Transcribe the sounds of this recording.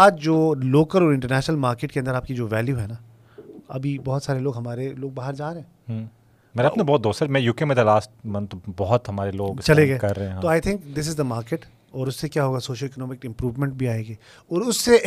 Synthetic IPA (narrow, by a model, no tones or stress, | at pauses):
aːd͡ʒd͡ʒoːloːkəlɔːɾɪ̃ɳʈəɾnɛːʃnəlmaːɾkeʈ̚keɐ̃nd̪əɾaːp̚kid͡ʒoːʋɛːljuɦɛna | ɐ̰bʱibɔɦɔt̪saːɾeloːɡɦɐmaːɾeloːɡ̚baːɦəɾd͡ʒaːɾeɦɛ̃ | ɦː | meːɾɐpnebɔːt̪̚d̪oːsemɛ̃juːkemẽt̪ʰalaːsʈ̚mɐ̃nt̪bɔɦʊt̪ɦɐmaːɾeloːɡt͡ʃɐleɡɐeɐɾːɐɦẽɦãtoaːɪt̪ʰɪ̃ŋkd̪ɪs̬ɪzd̪əmaːɾkeʈ | ɔːɾʊsːekjaːɦoːɡasoːʃəlɛkɔnɔːmɪkɪ̃mpɾuːʋmɛ̃ɳʈ̚bʱiaːeːɡeː | ɔːɾʊsːe